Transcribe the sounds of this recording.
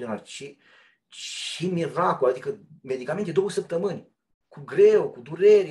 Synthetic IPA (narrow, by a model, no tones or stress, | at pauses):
d̪onalʲt͡ʃi | t͡ʃimirakulad̪ikəme̞d̪ikament̪ed̪o̞wəsəp̚t̪əmɨnʲ | kuɡɾewokud̪uɾe̞ɾʲ